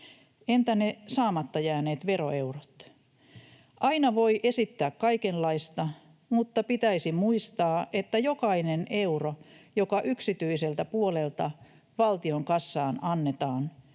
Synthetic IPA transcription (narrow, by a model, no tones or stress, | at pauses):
ent̪ænesɑːmɑt̪ːɑjæːneːt̪ʋeroeurot̪ | ʔɑinɑʋoiʔesit̪ːæːkkɑikellɑist̪ɑ | mut̪ːɑpit̪æisimuist̪ɑːʔet̪ːæjokɑineneurojokɑʔyksit̪yiselt̪æpuolelt̪ɑ | ʋɑlt̪ioŋkɑsːɑːnɑnːet̪ɑːn